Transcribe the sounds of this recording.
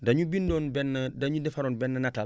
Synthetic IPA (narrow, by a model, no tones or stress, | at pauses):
dɐɲubindɔːnbɛnːdaɲudɛfaɾoːnbɛnːɐnatal